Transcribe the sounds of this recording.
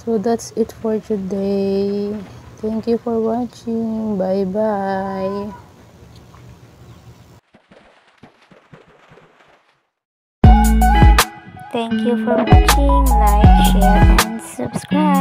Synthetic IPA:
sod̪atsitfɔɹtʰude | t̪ʰɛ̃ŋkjufɔɹwɔt͡ʃĩŋŋbajbaj | t̪ʰɛ̃ŋkʰjufɔɹwɔt͡ʃĩŋbajʃɛɛ̃nsabskɹa

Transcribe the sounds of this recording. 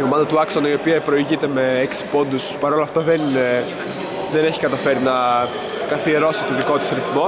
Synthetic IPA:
omɐnd̪ɐt̪uɐksonɐio̞piɐpɾo̞iʝit̪e̞me̞eksi̥po̞nd̪uspɐɾo̞lɐft̪ɐðen | ðene̞çi̥kɐt̪ɐfe̞ɾinɐkɐθieɾo̞si̥t̪oðiko̞t̪usɐɾiθmo̞

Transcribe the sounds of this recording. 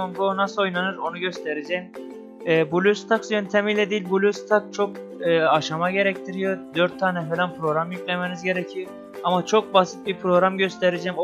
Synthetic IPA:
oŋɡonasɯlo̞jnanɯɾo̞nuɟø̞st̪ʰeɾed͡ʒɛjm | ɛːbulʲyst̪ʰaksjønt̪ʰemijlʲɛd̪iːlʲbulʲyst̪ʰak̚t͡ʃʰo̞k̚ː | aʃamaɟe̞ɾɛct̪ʰiɾijod̪øɾt̪ʰːaːnɛfelʲænpɾo̞ɡɾamjycʲlʲemenizɟe̞ɾɛcʰi | amat͡ʃʰo̞k̚basit̪̚bipʰɾo̞ɣɾamɟø̞st̪ʰeɾed͡ʒɛm

